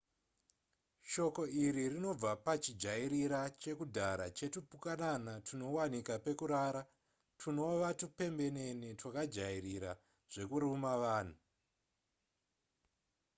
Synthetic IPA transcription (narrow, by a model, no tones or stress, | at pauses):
ʃo̞ko̞iɾirino̞b͡vapat͡ʃid͡ʒaiɾiɾat͡ʃe̞kudʱaɾat͡ʃe̞tupukananatʰuno̞wanikape̞kuɾaɾa | tʰuno̞ʋatupe̞mbe̞ne̞nitwakad͡ʒairiɾa | ʐ̥e̞kuɾumaʋaːn̤u